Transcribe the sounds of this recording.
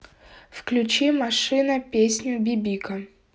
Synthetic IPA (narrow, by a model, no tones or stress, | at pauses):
fklʲʉt͡ɕimɐʂɨnəpʲesʲnʲʊbʲɪbʲikə